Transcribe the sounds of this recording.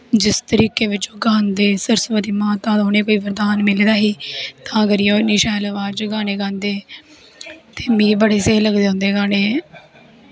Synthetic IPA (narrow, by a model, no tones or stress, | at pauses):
d͡ʒɪst̪əɾiːkeːʋɪt͡ʃoːɡaːnd̪eːsəɾsʋəd̪iːmãːt̪ãːd̪oːneːkoːiːʋəɾd̪aːnmɪled̪aːɦiːt̪ãːəɡəɾjoːniːʃɛːlʋaːd͡ʒɡaːneːɡãːnd̪eː | t̪eːmĩːbəɽeːseːləɡd̪eːɦʊ̃nd̪eːɡaːɽeː